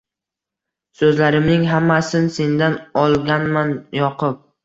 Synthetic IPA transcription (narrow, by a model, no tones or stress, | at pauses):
sɵzlaɾɪmnɪŋɦamːasɪnse̞nd̪anɒlˠɡʲanmanjɒqʰʊp̚